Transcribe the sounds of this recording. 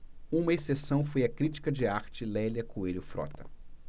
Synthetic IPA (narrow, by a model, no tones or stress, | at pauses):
ũmɐesesɐ̃w̃fojɐkɾit͡ʃi̥kɐd͡ʒɪaɾt͡ʃɪlɛljɐkueɾʊfɾɔ̰t̪ɐ